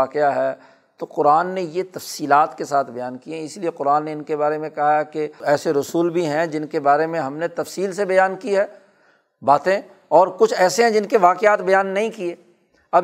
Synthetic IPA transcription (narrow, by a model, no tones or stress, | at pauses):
aːqɪjaɦɛː | t̪oqʊɾaːnːejet̪ɐfsiːlaːt̪kesaːt̪ʰbɐjaːnkiɦɛ̃ɪslieqʊɾaːnːeɪnkebaːɾemẽkɐɦakeɛːseɾʊsuːlbʱiɦɛ̃d͡ʒɪnkebaːɾemẽɦɐmnet̪ɐfsiːlsebɐjaːnkiɦɛː | baːt̪ẽ | ɔːɾkʊt͡ʃʰɛːseɦɛ̃d͡ʒɪnkeʋaːqɪaːt̪bɐjaːnːɐɦĩkieː | ɐb